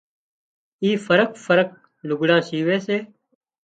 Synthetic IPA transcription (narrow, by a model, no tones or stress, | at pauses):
iːfəɾək̚fəɾək̚ | lʊɡɽãːsiːʋeːseː